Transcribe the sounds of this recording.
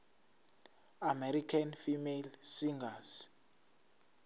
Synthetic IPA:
amɛɾikʰanfimelsiŋɡaz

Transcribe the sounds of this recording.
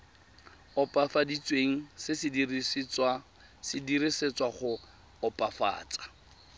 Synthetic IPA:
ɔpʼafadit͡sweŋ̩sɪsɪdirist͡swa | sɪdiriset͡sʼwaχʊ | ɔpʼafa̰ːt͡sḁ

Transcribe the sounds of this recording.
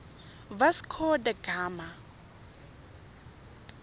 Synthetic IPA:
vasi̥kʰɔdaɡ̥ʱaːma

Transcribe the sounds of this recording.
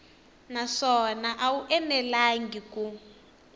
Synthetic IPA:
naʂɔnaʔawuʔɛnɛlaŋɡiku

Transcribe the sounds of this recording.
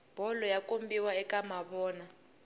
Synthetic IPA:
b̥ʱɔlɔjakombʱiwaɛkʼamaβɔːna

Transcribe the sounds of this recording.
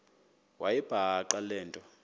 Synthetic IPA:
wajib̥ʱaǃalɛːntʼɔ

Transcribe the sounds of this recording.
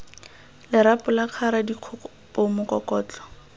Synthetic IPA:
lɪɾapʊlaq͡χʰaɾadiq͡χʰ | pʊmʊkɔkɔːt͡ɬɔ̥

